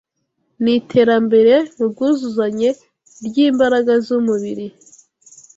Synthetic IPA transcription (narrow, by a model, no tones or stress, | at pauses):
nitʰe̞ːɾambe̞ɾe̞mubɡuːzuzaɲe̞ | ɾjiːmbaɾaɡazumuβiɾi